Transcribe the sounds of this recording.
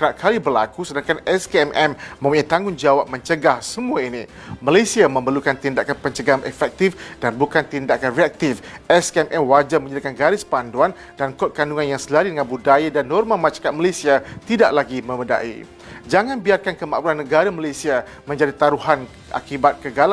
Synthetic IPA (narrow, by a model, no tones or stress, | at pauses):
kəɾaʔkʰalibərlakusədaŋkanɛskeɛmʔɛmːə̃muɲat̪aŋʊnd͡ʒawap̚mə̃ɲt͡ʃəɡahsəmuaini | malesiamə̃mbərlukant̪indaʔkanpəɲt͡ʃəɡaamɛfɛk̚t̪ifdanbukant̪indakanreak̚t̪ifɛskɛmʔɛmwad͡ʒamə̃ɲədakanɡaɾɪspanduan | dankɔt̪̚kanduŋanjaŋsəlaɾidəŋanbudajadanːɔrmamaʃḁkat̪̚malesiat̪idaʔlaɡimə̃məda̰ʔḭ | d͡ʒaŋãnbiarkankəmã̰ʔbulanːəɡaɾamalasia | mə̃ɲd͡ʒadit̪aɾuɦan | ʔa̰kibat̪̚kəɡala